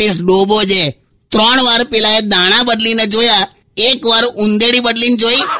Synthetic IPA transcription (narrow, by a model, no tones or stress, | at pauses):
isɖoːbod͡ʒe | t̪ɾɔːɳ̃ʋaːɾpeːlaed̪aːɽ̃ãbəɖlined͡ʒoːja | eːkʋaːɾʊ̃nd̪eɽibəɖliːnd͡ʒoːiː